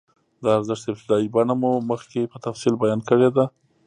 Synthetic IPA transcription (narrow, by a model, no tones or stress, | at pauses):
d̪əaɾzəʂt̪ɪb̚t̪ɪd̪ɑibaɳamoməxkepət̪afsilbajɑnkəɽed̪a